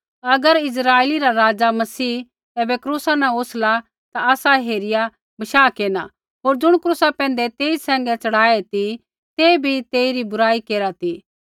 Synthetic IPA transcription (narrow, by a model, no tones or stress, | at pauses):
ɐɡəɾɪs̬ɾaːeːliɾaɾaːd͡ʒamɐsiː | t̪ɛːbɛkɾuːsanɛ̃oːsla | t̪aaːsaɦeːɾɪja | bɐʃaːkeːna | ɦoːɾd͡ʒʊɽ̃kɾuːsapɛ̃ːnd̪ɛt̪eːisɛ̃ːŋɡɛt͡ʃɐɽ̤aːet̪i | t̪ebʱit̪eːiɾibʊɾaːikeːɾat̪i